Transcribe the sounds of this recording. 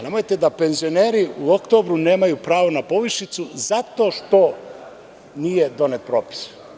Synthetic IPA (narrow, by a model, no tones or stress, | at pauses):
nemojt̪ed̪apenzioneːɾiuokt̪obɾuneːmajupɾaːʋonapoʋiʃit̪suzat̪oːʃt̪o | nijed̪onet̪̚pɾoːpi̥s